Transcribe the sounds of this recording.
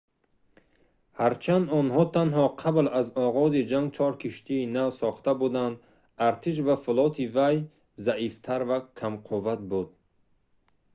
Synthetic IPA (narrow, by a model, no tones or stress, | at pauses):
haɾt͡ʃʰand̪ɔnhɔt̪ʰanɦɔqʰablazɔʁɔzid͡ʒaŋɡt͡ʃʰɔɾkʰiʃt̪ʰiːnavsɔχt̪abud̪and̪ | aɾt̪ʰiʃ̬vafulɔt̪ʰivaj | zaʔift̪ʰaɾvakʰamqʰuvat̪̚bud̪